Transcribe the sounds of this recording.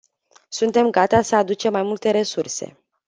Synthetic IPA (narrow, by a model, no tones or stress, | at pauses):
sunt̪e̞mɡat̪asəad̪ut͡ʃe̞mːajmult̪e̞ɾe̞surse̞̰